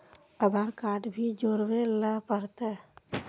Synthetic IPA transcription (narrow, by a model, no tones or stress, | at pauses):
əd̪ʱaɾkaːɖbʱid͡ʒoːɾʋeləpəɾt̪ɛ